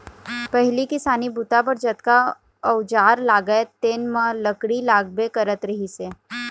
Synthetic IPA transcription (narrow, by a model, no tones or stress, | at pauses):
pɛɦlikɪsaːnibut̪ap̬əɾd͡ʒət̪ka | ɐʊd͡ʒaːɾlaːɡəet̪eːnmãləkɽilaːk̚bekɐɾət̪ɾɐɦiseː